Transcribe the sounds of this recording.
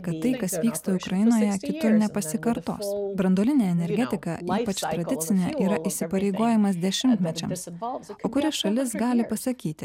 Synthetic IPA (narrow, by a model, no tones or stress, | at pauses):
kɐt̪ːɐɪkɐsʋʲiːkst̪ɐʊkɾɐjɪnoːjɛkʲɪt̪ʊɾnʲɛpɐsʲɪkɐɾt̪o̰ːsbɾɐnd̪oːlʲɪnʲeːɛnʲɛɾʲɡʲɛt̪ʲɪkɑiːpɐt͡ʃt̪ɾɐd̪ʲɪt̪sʲɪnʲeʔiːɾɐʔisʲɪpɐɾʲeɪɡoːjɛmɐs̬d̪ʲɛʃʲɪmʲt̪ʲmʲɛt͡ʃʲɛmsoːkʊɾʲɛsʃɐlʲɪsɡɑːlʲɪpɐsɐkʲiːt̪ʲɪ